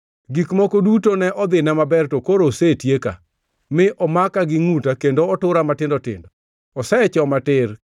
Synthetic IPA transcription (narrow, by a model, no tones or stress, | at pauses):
ɡikmɔkodutonɛʔɔd̪ɪnɛmabɛrtokoɾosetjeka̰ | mɪʔɔmakaɡɪŋutakendoɔtʊɾamatɪndɔtɪ̰ndɔ | ɔsɛt͡ʃɔmatɪr